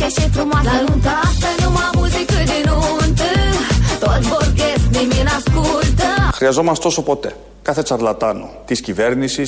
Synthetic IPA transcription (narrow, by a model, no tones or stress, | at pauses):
kɐsẽt̪ɾumasnũt̪ɐt̪ɐ̃jnumɐmuziked̪enunt̪ɨt̪ovoɾkesniminɐskult̪ɐxɾiɐzo̞mɐst̪o̞sopo̞t̪e̞ | kɐθe̞t͡sɐɾlɐt̪ɐno̰t̪isciveɾnisis